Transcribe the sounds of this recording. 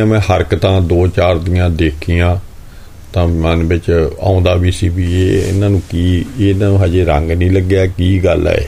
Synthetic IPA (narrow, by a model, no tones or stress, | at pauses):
ãːmɛ̃ːhəɾkt̪ãːd̪oːt͡ʃaːɾd̪iːãːd̪eːkʰiːjãː | t̪ãːmənbɪt͡ʃã̰ːʊ̃nd̪aːbiːsiːbiːeːɪ̰nãːnũːkiːeːɪnãːnũːɦaːd͡ʒeːɾə̃ŋɡnĩːləɡjaːkiːɡəlɛ̰ːḛː